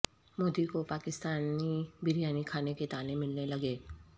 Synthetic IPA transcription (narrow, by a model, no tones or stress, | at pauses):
moːd̪ikopaːkɪst̪aːnibɪɾijaːnikʰaːneket̪aːnemɪlnelɐɡeː